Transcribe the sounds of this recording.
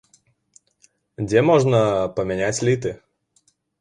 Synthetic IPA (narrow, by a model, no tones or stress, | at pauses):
dʲemoʐnəpəmʲɪnʲætʲlʲit̪ɨ